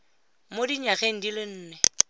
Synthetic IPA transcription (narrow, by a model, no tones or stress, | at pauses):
modiɲaɣeŋ̩dilɪn̩ːnɛ